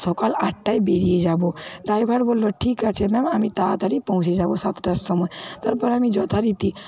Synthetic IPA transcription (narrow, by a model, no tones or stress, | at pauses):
sɔkalaʈʈːaibeɾied͡ʒaboɖajbʱaɽbolːoʈʰikat͡ʃʰemɛmamit̪at̪aɾipɔɦũt͡ʃʰed͡ʒabosat̪ɖəsːɔmɔjt̪əɾpəɾamid͡ʒɔt̪ʰaɾit̪i